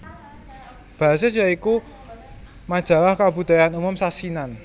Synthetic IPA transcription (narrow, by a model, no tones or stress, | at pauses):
b̥a̤ɦas̬esjaiku | mad̥ʒ̥a̤wahkabṳd̪̥a̤janumʊmsasinan